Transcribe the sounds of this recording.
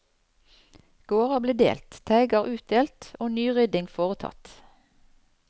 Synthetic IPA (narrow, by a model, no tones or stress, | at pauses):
ɡ̥oːʁɑbleːd̪ḛːlt̪t̪ʰæɪɡɑʁʔʉːt̪̚d̪eːlt̪oːnyːʁʏd̪ɪŋfoːʁət̪ʰɑ̰t̪